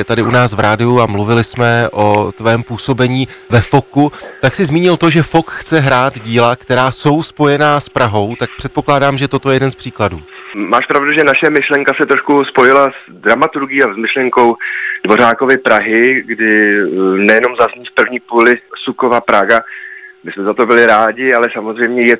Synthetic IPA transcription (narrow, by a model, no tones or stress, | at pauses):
t̪adɪʔunaːsvɾʔaːdɪuamluvɪlɪsmɛʔo̞t̪vɛːmpuːso̞bɛɲiːvɛfo̞kut̪aksɪzmiːɲɪlt̪o̞ʒɛfo̞kxt͡sɛɦɾaːt̪ɟiːlakt̪ɛɾaːso̞wspo̞jɛnaːspɾaɦo̞wt̪ak̚pr̥ɛt̪̚po̞klaːdaːmʒɛt̪o̞t̪o̞jɛjɛdɛnspr̥iːkladuːmaːʃpɾavduʒɛnaʃɛmɪʃlɛŋkasɛt̪ɾoʃkuspo̞jɪlaz | dɾamat̪uɾɡiːazmɪʃlɛŋko̞wd̥vo̞ɾaːko̞vɪpɾaɦɪɡdɪ | nɛjɛno̞mzazɲiːfpr̩vɲiːpuːlɪsukovapɾaɡamɪsmɛzat̪o̞bɪlɪɾaːɟɪalɛsamozrɛjmɲɛjɛ